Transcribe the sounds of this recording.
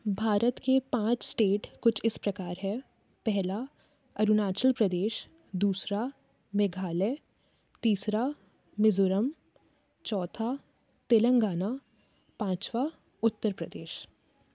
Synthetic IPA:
bʱaːɾət̪kepãːt͡ʃsʈeːʈkʊt͡ʃʰɪspɾɐkaːɾɦɛ | pɛɦla | ɐɾunaːt͡ʃəlpɾɐd̪eːʃ | d̪uːsɾa | meɡʱaːle | t̪iːsɾa | mɪzoɾəm | t͡ʃɔːt̪ʰa | t̪elə̃ŋɡaːna | pãːt͡ʃʋa | ʊt̪ːəɾpɾɐd̪eːʃ

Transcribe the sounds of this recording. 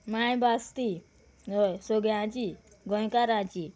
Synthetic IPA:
majbast̪i | ɔjsɔɡjãt͡ɕi | ɡʱə̃jkaɾãt͡ɕi

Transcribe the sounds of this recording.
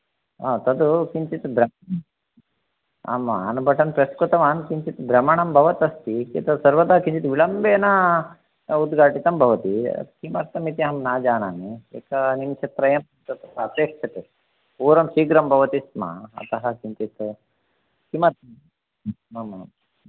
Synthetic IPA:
aːt̪ɐd̪ukiɲt͡ʃit̪b̪ɾɐmɐ | a̰ːmaːnubʱɐʈɐnpɾɐskut̪ɐʋaːnkiɲt͡ʃit̪bɾɐmɐɳɐmbʱɐʋɐt̪ɐst̪ikeːt̪ɐsɐɾʋɐd̪ɐɦɐkiɲt͡ʃit̪ʋiɭɐmbeːnɐ | ud̪ɡʱaːʈit̪ɐmbʱɐʋɐt̪ḭkimɐɾt̪ɐmit̪iɦɐmnaːd͡ʒaːnaːniḛkɐnimt͡ʃʰɐt̪ɾɐjɐm | t̪ɐt̪pɐːp̪eːkʂɐt̪e | puːɾɐmʃiːɡɾɐmbʱɐʋɐt̪isma̰ɐ̰t̪ɐɦɐkiɲt͡ʃit̪ | kimɐɾt̪ɐ | ama

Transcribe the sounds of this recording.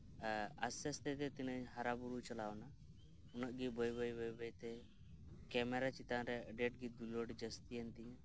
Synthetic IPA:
əsɛst̪ɛt̪ɛt̪inəɲɦaɾabuɾut͡ʃəlawna | unəʔɡibəjbəjbəjbəjt̪ɛ | kɛmɛɾat͡ʃit̪anɾɛəɖeʈ̚ɡid̪uloɽd͡ʒəst̪ijənt̪ijã

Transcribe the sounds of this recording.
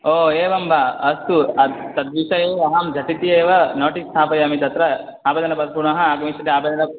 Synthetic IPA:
oːeːbɐmbʱaɐst̪uɐt̪ɐd̪ʋiʃɐjeːɐɦɐmd͡ʒʱɐʈit̪ieːʋɐnoːʈist̪ʰaːpɐjɐmit̪ɐt̪ɾɐ | aːbeːd̪ɐnɐpɐd̪puɾɳɐɦɐaːɡɐmiʃɐt̪iaːbeːd̪ɐnɐ

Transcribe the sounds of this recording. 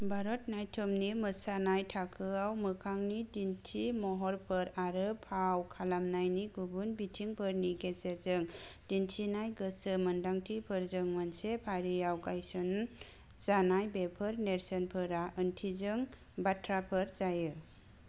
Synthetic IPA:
baɾɔtnajtʰɔmnimɯsanajtʰakʰɯawmɯkʰaŋnidintʰimɔɦɔɾpʰɯɾaɾɯpʰawkʰalamnajniɡubunbitʰiŋpʰɯɾniɡezezɯŋdintʰinajɡɯsɯməndaŋtʰipʰɯɾzɯŋmansepʰaɾiawɡajsɔn | z̥anajbepʰɯɾneɾsɔnpʰɯɾaʔəntʰizɯŋ | batʰɾapʰɯɾzajɯ

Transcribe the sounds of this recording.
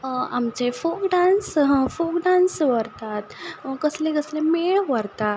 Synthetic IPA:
amt͡sefokɖãnsfokɖansʋəɾt̪at̪kəslẽkəslemeʋəɾt̪a

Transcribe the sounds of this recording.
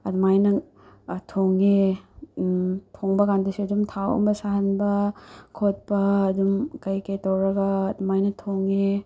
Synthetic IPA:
ɐdmajnɐ | tʰoŋe | tʰoŋbɐkandusiɐdumtʰawɐ̰mbɐsaɦɐnbɐkʰot̚pɐːdumkɐjkejtɐwɾɐɡɐːdumajnɐtʰoŋe

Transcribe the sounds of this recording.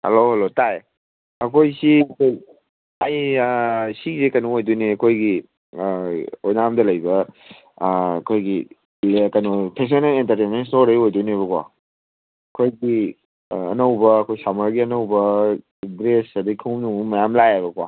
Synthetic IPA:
hḛlohɐlotaj | ɐkʰojsiɐkʰoj | ɐj | sisekɐnɔojduniɐkʰojɡi | ojnamdɐlɐjbɐ | kʰojɡi | kɐjnopʰes̬onɐlentɐɾtenmens̬noɾejojduniβɐkwa̰ | ɐkʰojɡi | ɐnɐwbɐːkʰojsamɐɾɡiɐnɐwbɐ | dɾesɐdikʰɯwmnuumɐjamlajajbɐkwa̰

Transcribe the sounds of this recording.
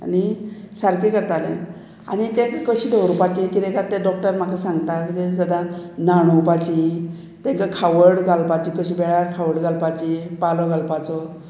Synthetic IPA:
a̰ni | saɾkekəɾt̪alḛ | a̰nit̪ekəsidʱɔɾupat͡ʃikiɾekat̪edɔk̚ʈəɾmakasaŋɡt̪akəted͡zad̪anaɽ̃ɔpat͡ʃi | t̪eŋkakʰawəɽɡalpat͡ʃikəsibeɭaɾkʰawəɽɡalpat͡ʃipalɔɡalpat͡sɔ

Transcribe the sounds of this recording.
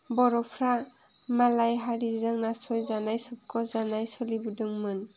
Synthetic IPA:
bɔɾɔpʰɾa | malajɦaɾizaŋnasɔjzanajsɔb̚kʰɔzanajsɔlibudɯŋmɯn

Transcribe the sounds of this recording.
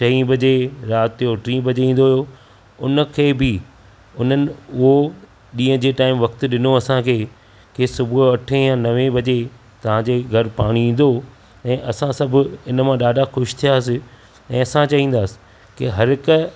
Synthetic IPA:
ʃɐĩbɐd͡ʑeɾaːt̪oʈɾĩːbʱɐd͡ʑeĩːn̆d̪oɦijo | ʊnə̆kʰeːbʱɪ | ʊn̤ənɪ̆ʊɦo | ɗĩːə̃d͡ʑeːʈaːɪmʋɐkt̪̆ɗɪnoɐsãkʰeː | keːsʊbʱʊɐʈʰejãnɐʋẽbɐd͡ʑe | t̪ɐʋ̤ãd͡ʑeːɡʱɐɾpaːɽ̃iĩːn̆d̪o | ɛ̃ːʔɐsãsɐbʱʊɪnmãɗaːɖʱaxʊʃt̪ʰijaɦəsɪ | ɛ̃ːɐsãt͡ɕɐɦĩːn̆d̪aːsɪ̥ | kiɦɐɾɪkə

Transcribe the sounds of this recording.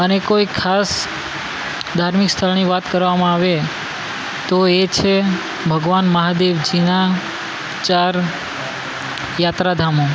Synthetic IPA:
ənekoikʰas | d̪ʱaɾmikst̪ʰəlniʋat̪kəɾʋamãaʋe | t̪oet͡ʃʰe | bʱəɡʋanməɦad̪eʋd͡ʒina | t͡ʃaɾ | jat̪ɾad̪ʱamo

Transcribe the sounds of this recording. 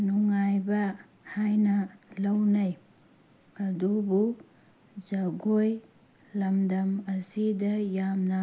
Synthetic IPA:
nuŋajbɐ | hajnɐlɐwnɐj | ɐdubu | d͡ʒɐɡoj | lɐmdɐmɐsidɐjamnɐ

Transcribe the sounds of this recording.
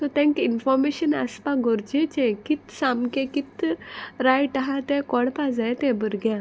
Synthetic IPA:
sot̪ʰɛ̃ŋkinfɔɾmeɕənə̰spaɡoɾd͡ʑet͡ɕẽkit̪sãmkẽkit̪ɾajʈəɦat̪ɛ̃kɔɽpad͡zajt̪ɛ̃bəɾɡjã

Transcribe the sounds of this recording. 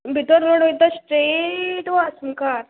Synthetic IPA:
bʱit̪ɔɾːoɽʋjt̪asʈɾeʈʋasumkaɾ

